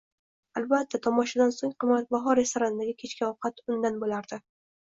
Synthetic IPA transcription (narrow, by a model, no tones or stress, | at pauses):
alˠbat̪ʰːat̪ʰɒmɒʃad̪ansoŋqʰɨmːat̪̚baɦɒɾe̞st̪oɾanɪd̪aɡʲɪkʲʰet͡ʃkʲaɒwqʰɑt̪ʊnd̪anbolaɾd̪ɪ